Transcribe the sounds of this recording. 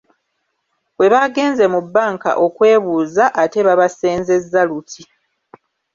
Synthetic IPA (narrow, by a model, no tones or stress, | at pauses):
we̞βaɡe̞ːnze̞mubːaːŋka̰ʔo̞kwe̞ːβuːzaʔːte̞βaβase̞ːnze̞zːalutʰi